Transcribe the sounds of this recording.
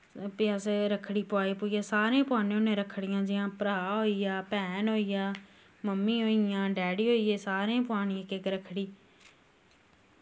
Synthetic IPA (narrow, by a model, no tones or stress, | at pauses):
pɪjaːseɾəkʰːɽiːpʊaːeːpʊːijaːsaːɾẽːpʊaːnẽːʊnẽːɾəkʰɽɪjãːd͡ʒɪãːpəɾaːɦoːijaːpɛːnɦoːijaː | məmːĩːɦoːijãːɖɛːɽiːɦoːiːeːsaːɾẽːpʊaːɳ̃ɪẽːkekɾəkʰːɽiː